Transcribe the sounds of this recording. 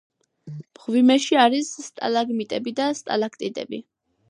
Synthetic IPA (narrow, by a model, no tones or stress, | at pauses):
m̥ʁvimɛʃiaɾisːt̪ʼa̰laɡmit̪ʼɛbid̪ast̪ʼa̰lakʰt̪ʼid̪ʼɛ̰bḭ